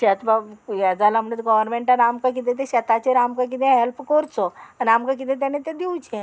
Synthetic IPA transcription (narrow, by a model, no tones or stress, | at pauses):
ɕɛt̪bajad͡zalamnet̪ɡɔʋəɾmẽɳʈaɾamkak̬it̪ʰẽt̪̬ẽɕət̪at͡ɕeɾamkãk̬it̪ẽɦelpkɔɾt͡sɔanamkak̬it̪ẽt̪̬anet̪ed̪iwt͡ɕẽ